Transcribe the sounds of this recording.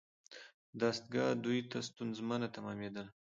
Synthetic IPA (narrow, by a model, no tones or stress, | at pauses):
d̪ast̪̚ɡɑd̪ujt̪ast̪unzmanat̪amɑmed̪əl